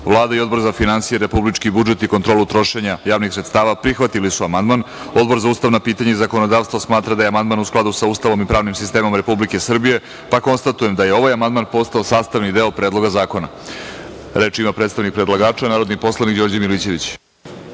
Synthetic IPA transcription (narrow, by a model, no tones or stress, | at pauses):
vlˠaːd̪aio̞d̪bo̞ɾzafinansijeɾe̞publit͡ʃkibud͡ʒe̞t̪ikont̪ɾolut̪ɾo̞ʃe̞ɲajaːʋnixsɾet̪st̪aːʋapɾixʋat̪ilisuamand̪mano̞d̪bo̞ɾzauːst̪aʋnapiːt̪aɲeizako̞no̞d̪aːʋst̪vosmaːt̪ɾad̪ajamand̪maːnusklad̪usauːst̪aʋo̞mipɾaːʋnimsist̪e̞ːmo̞mɾe̞publike̞sr̩bije̞ | pako̞nst̪at̪ujemd̪aje̞o̞ʋajamand̪maːnpo̞st̪aosaːst̪aʋnid̪eopɾed̪lˠo̞ɡazaːko̞na̰ | ɾe̞ːt͡ʃimapɾet̪st̪aʋnik̚pɾe̞d̪lˠaɡaːt͡ʃanaːɾod̪nipo̞slˠanikd͡ʑo̞ɾd͡ʑamilit͡ɕe̞ʋit͡ɕ